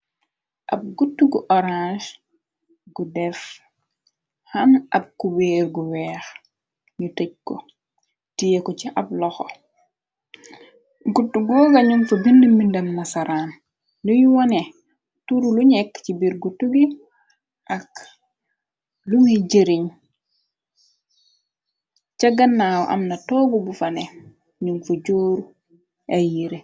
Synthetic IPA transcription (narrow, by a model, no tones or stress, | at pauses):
ʔɐ̰b̚ɡutːuɡuʔɔɾãʃ | ɡudɛf | hɐnʔɐb̚kuberɡuwɛːx | ɲutɐc̚kɔ | tijekɔciʔɐb̚lɔxɔ | ɡutːuɡɔːɡɐɲumfɐbindəmːindɐmnɐsɐɾaːn | nojuwɔne | tuɾuluɲɛkːt͡ʃibiɾɡutuɡi | ʔak | lumiɟeɾiɲ | t͡ʃaɡɐnːawɔʔɐ̰mnɐtɔːbubufɐne | ɲuŋfɐɟoːɾu | ʔajiɾe